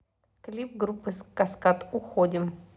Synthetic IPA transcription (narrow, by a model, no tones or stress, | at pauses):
klʲip̚ɡɾupːɨskɐskat̪ʊxodʲɪm